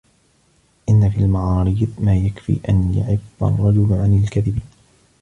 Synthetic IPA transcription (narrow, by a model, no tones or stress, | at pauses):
ʔɪnːafiːlmaʕɑːɾiːðmaːjakfḭːʔanjʊ̰ʕɪbːa̰rˤːɑd͡ʒʊlʕanɪlkaðɪbiːn